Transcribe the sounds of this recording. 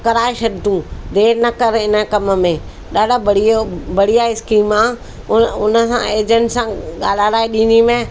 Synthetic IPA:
kɐɾaːeʃɐɗt̪ũd̪eːɾnɐkɐɾɪnəkɐməmẽ | ɗaːɖabɐɽ̤iobɐɽ̤ijaɪskiːmãː | ʊnəsã̰eːd͡ʒə̃ɳɖsãɠaːl̤aːɾaːeɗĩːnimẽ

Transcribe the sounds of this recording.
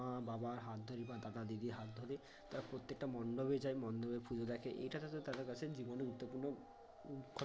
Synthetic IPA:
ababaɾɦat̪̚d̪ʱɔɾibad̪ad̪ad̪id̪iɦat̪̚d̪ʱɔɾi | t̪aɾapɾot̪ːek̚ʈamɔndɔbed͡ʒajmɔnd̪ɔbepʰud͡ʒod̪akʰeʔḛjʈat̪ʰat̪ɔt̪ad̪ɔkasʰed͡ʑibɔnɡuut̪ːɔpuɾnɔ | kʰɔ

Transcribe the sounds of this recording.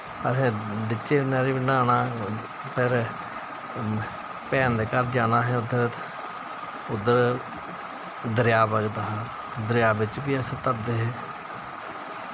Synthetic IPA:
əsẽːɖɪt͡ʃːeːnɛːɾeːbɪnaːnaː | pʰɪɾ | pɛːnd̪ekəɾd͡ʒaːnaːɦɛːʊd̪ːəɾt̪ | ʊd̪ːəɾ | d̪əɾjaːbəɡt̪ːɦaː | d̪əɾjaːbɪt͡ʃbiːəsẽːt̪əp̚d̪eːɦɛː

